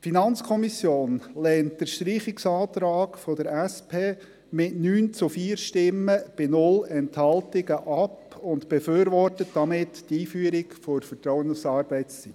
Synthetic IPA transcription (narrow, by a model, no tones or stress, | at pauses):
finɑnt͡skʰɔmisjoːnlɛːnt̚d̥əɾʃtɾiːχɪksɑːt̪ɾɑːkfɔd̥əɾæspʰeː | mɪtnyːnt͡sʊfiːɾʃtɪmːəb̥ɪnʊlɛnthɑltɪɡəʔɑpʊntb̥ɛføːɾʋɔrtətd̥ɑmɪttiːfyəɾɪkfɔfətɾɔwənufsɑːɾb̥ɛɪt͡st͡sit